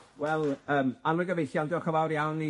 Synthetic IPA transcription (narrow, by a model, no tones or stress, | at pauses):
wɛlˠəːmanlʊɡəvejɬjandɪɔχəvawɾjawni